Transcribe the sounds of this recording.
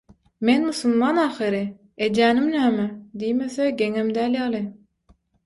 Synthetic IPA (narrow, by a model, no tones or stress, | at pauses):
menmusulmɑnɑːxɯɾi | ed̪æːnimnæːmæd̪ijmeθeɡʲeŋemd̪æːljɑlˠɯ